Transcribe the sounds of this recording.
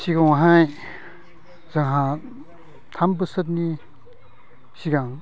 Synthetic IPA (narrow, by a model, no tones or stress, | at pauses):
siɡawɦaj | zaŋɦa | t̪ʰambɯsɐtni | siɡaŋ